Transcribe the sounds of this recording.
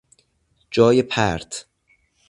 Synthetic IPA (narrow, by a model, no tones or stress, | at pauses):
d͡ʒɒːjepʰæɾt̪ʰ